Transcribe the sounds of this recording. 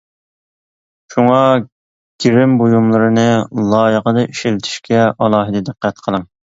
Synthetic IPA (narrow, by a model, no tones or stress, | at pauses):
ʃuŋɑ | ɡ̥ʲiɾɪmbojumlˠɨɾɨnɨlˠɑːjəʁəd̪ɑiʃɪlɪt̪ʰɪ̥ʃkʲɛʔɑlˠɑːɦɨd̪ɨd̪ɨqːæt̪qʰəlˠɨŋ